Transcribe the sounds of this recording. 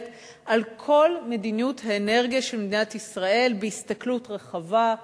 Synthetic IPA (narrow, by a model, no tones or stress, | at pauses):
t | ʔalkʰo̞lme̞dinjuthaene̞ʁɡijaʃelmed̪inatisʁae̞lbeistaklutʁeχava